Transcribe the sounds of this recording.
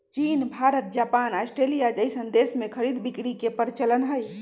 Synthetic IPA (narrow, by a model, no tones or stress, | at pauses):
t͡ʃinbʱaɾət̪̚d͡ʒapanasʈɾelijad͡ʒəjsənd̪esmekʰəɾid̪bikɽikepəɾit͡ʃələnɦəj